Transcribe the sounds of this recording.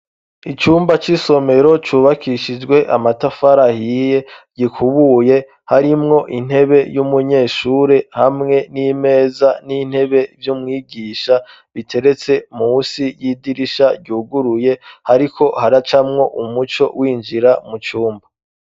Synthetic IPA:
it͡ʃuːmbat͡ʃiso̞me̞ɾo̞t͡ʃuːβakʰiʃid͡ʒɡwe̞ʔamatafaɾahije̞ɟ̥ikʰuβuje̞ | haɾimŋo̞ʔin̥he̞βe̞jumuɲe̞ːʃuːɾe̞hamŋe̞nime̞ːzanin̥he̞βe̞vjumŋiːɡiːʃa | βitʰe̞ɾe̞t͡se̞musijiːdiɾiʃaɟuːɡuɾuje̞haɾikʰo̞haɾat͡ʃamŋo̞ʔumut͡ʃo̞̰wiːnd͡ʒiɾamut͡ʃuːmba

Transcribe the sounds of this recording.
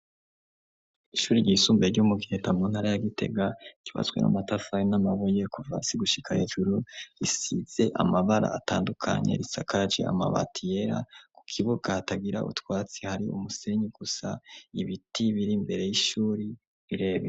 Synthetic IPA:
iʃuːɾiɾɟiːsuːmbeɾɟumuɡihetamunhaɾajaɡite̞̰ɡaciβa̰t͡sɡwe̞̰na̰matafajinamaβoje̞kuva̰siɡuʃi̥kʰaheːʒuɾuɾisiz̥e̞ʔamaβaɾa̰ːtaːndukʰa̰ɲe̞̰ɾisakaɾad͡ʒe̞̰a̰ma̰βa̰tʰije̞ɾaku̥kʰiβuɡ̥ataɡiɾa̰ṵtwaːt͡sihaɾiṵmuse̞ɲiɡ̥usaiβitiβiɾimbe̞ɾe̞jiʃuːɾi | ɾiɾe̞ːβe

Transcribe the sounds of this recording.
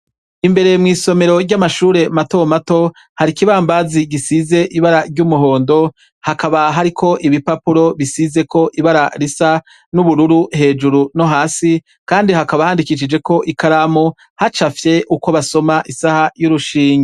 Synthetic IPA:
imbe̞ɾe̞mŋiːso̞me̞ɾo̞ɾɟɟamaʃuːɾe̞mato̞mato̞ | haɾikiβaːmbaziɡisize̞ʔiβaɾaɾɟuːmuɦo̞ːndo̞ | hakaβaɦaɾikʰo̞ʔiβipapuɾo̞βisize̞ko̞ʔiβaɾaɾisa | nuβuɾuɾuhe̞ːd͡ʒuɾuno̞ɦaːsi | kaːndiɦakaβahaːndikiʃ̬id͡ʒe̞ko̞ʔikaɾamo | hat͡ʃafje̞ʔuko̞βaso̞maʔisahajuɾuʃiːɲe

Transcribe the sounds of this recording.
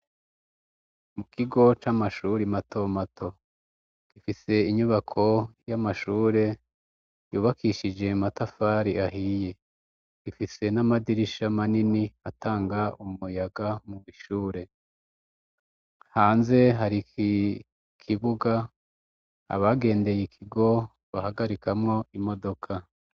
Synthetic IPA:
mukʰiɡo̞t͡ʃamaʃuɾimatʰo̞matʰo̞̥ | kifise̞iɲuβakʰo̞jamaʃuːɾe̞ | juːβakʰiʃid͡ʒe̞matafaːɾiaɦije̞ | ɡifise̞namadiɾiʃamaniniataːŋɡaummujaɡamumiʃuːɾe̞ | haːnze̞ɦaɾi | kʰiβuɡa | βaɡe̞ːnde̞jekʰiɡo̞ | βahaɡaɾikʰamŋo̞imo̞do̞kʰa

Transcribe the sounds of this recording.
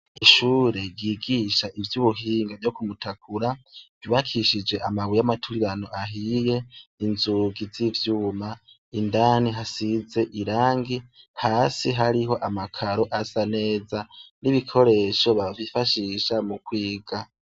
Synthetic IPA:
iʃuːɾe̞ɡiːɡiʃaʔivjuβuɦiːŋɡavjo̞kumutʰak̚ʰuɾavjuβakʰiʃid͡ʒe̞ʔamawijamatʰuɾiɾanoaɦije̞inzuɡizivjuːma | indaːniɦasize̞ʔiɾaːŋɡihaːsiɦaɾiɦo̞ʔamakʰaɾo̞ʔasane̞ːzaniβikʰo̞ɾe̞ʃo̞βavifaʃiʃamukwiːɡ̥a

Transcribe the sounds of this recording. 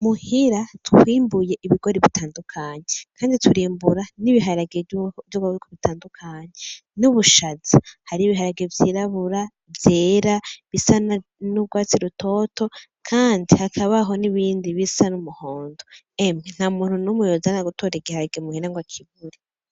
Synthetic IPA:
muhiɾatwwiːmbuje̞ʔiβiɡo̞ɾiβitʰaːndukʰaɲekʰaːndituɾiːmbuɾaniβiɦaɾaɡevjoɡwaikʰoβitaːndukʰaɲe | nuβuʃazihaɾiːβiɦaɾaɡevjiːɾaβuɾa | vjeːɾaβisananuβɡwaːt͡siɾutʰo̞ːto̞ | kʰaːndihakʰaβaɦo̞niβiːndiβisanumuhoːndo | emŋen̥amuːn̥hunumujozanaɡutʰoːɾiɡihaɾaɡemuhiɾaŋɡwakʰiβuɾe

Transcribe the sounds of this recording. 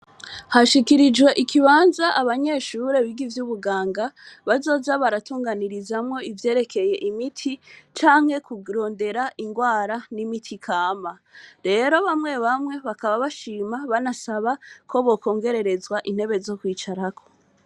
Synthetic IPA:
haʃikiɾid͡ʒɡwe̞ʔikʰiβaːnzaʔaβaɲe̞ʃuɾe̞βiɡivjuβuɡaːŋɡaβazo̞ːzaβaɾatuːŋɡaniɾizamŋo̞ivje̞ːɾe̞kʰe̞je̞ʔimitʰit͡ʃaːŋhe̞kuɾo̞ːnde̞ɾaʔiŋɡwaːɾanimitʰikʰaːma | ɾe̞ɾo̞βamŋe̞βamŋe̞βakaβaβaʃiːmaβanasaβakʰo̞βo̞ko̞ːŋɡe̞ɾe̞ɾe̞zwaʔin̥he̞βe̞zo̞kwiːt͡ʃaɾakʰo̞

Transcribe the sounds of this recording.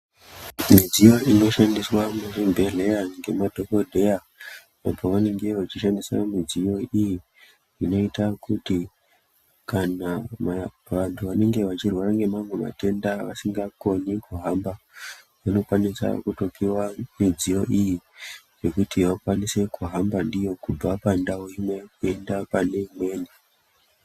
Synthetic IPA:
mid͡zijo̞ʔino̞ʃandiswamurimbʱeɮejaŋɡe̞madʱo̞ko̞dʱe̞ja | apoʋane̞ŋɡe̞ʋat͡ʃiʃandiswa̰mid͡zijo̞iji | ʐino̞itakuti | kanama | ʋantʰuʋane̞ŋɡe̞ʋat͡ʃirwaraŋɡe̞mamwema̰te̞ndaʋasiŋɡako̞nikuɦamba | ʋano̞kwanisa̰kuto̞kiwamid͡zijo̞ʔiji | ʐe̞kutʰiʋakwanise̞kuɦambandijo̞kub͡vapandawoimwejkue̞ndapane̞imwe̞ːni

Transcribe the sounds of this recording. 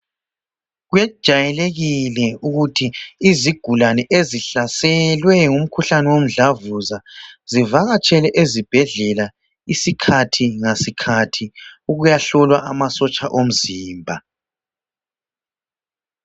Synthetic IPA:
ɣwɛd̥ʒ̥ʱajɛleɣilɛuɣutʰiːziɡ̥ʱulanɛʔeziɬasɛlwɛŋum̩kʰuɬanɛwom̩ɮavuzazivaɣat͡ʃʼɛlɛʔezib̥ʱɛɮɛla | isikʰatʰiŋasikʰatʰiuɣujaɬɔlwaʔamasɔt͡ʃʼaʔom̩ziːmbʱa

